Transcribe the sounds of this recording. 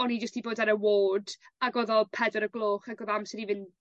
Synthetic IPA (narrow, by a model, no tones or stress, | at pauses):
ɔnid͡ʒəstiboːdaɾəwoːdaɡɔðɔlˠpʰɛdɔɾəɡlˠoːχaɡɔðamsəɾivɨn